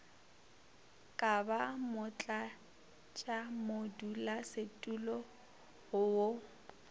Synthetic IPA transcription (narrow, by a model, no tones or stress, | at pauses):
kʼabamʊt͡ɬʼa | t͡ʃʼamodulasetʼulɔ | hʊwo